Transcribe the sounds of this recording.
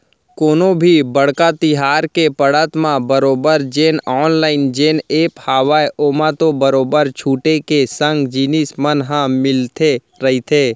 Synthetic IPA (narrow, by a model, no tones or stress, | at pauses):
koːnõbʱibəɽkat̪ɪɦaːɾkepəɽət̪mãbəɾoːbəɾd͡ʒeːnɔːnlaːɪnd͡ʒeːneːphaːʋaːeʔoːmãt̪obəɾoːbəɾt͡ʃʰuːʈekesə̃ŋɡd͡ʒiːnɪsmənɦãmɪlt̪ʰe | ɾɐɦit̪ʰeː